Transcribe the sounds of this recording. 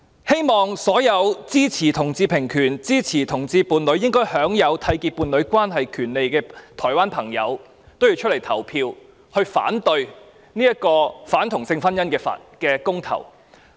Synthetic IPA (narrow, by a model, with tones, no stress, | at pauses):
he˥jmɔː˨ŋsɔː˨˥jɐ˨˧wt͡siː˥t͡sʰiː˨˩t̪ʰʊ˨˩ŋt͡siː˧pʰɪ˨˩ŋkʰyː˨˩nt͡siː˥t͡sʰiː˨˩t̪ʰʊ˨˩ŋt͡siː˧puː˨˧nlɵ˨˧ɥjɪ˥ŋkɔː˥jhœː˨˥ŋjɐ˨˧wt̪ʰɐ˧jkiː˧t̚pːuː˨nlɵ˨˧ɥkwaː˥nɦɐ˨jkʰyː˨˩nle˨jkɛː˧t̪ʰɔː˨˩jwaː˥npʰɐ˨˩ŋjɐ̰˨˧w | t̪o˥wjiː˧wt͡ʃʰɵ˥t̚le˨˩jt̪ʰɐ̰˨˩wpʰiː˧w | hɵ˧ɥfa̰ː˨˥nt̪ɵ˧ɥ | niː˥ɐ˥t̚kɔː˧faː˨˥nt̪ʰʊ˨˩ŋsɪ˧ŋfɐ˥njɐ˥nkɛː˧fa̰˨kɛː˧kʊ˥ŋt̪ʰɐ̰˨˩w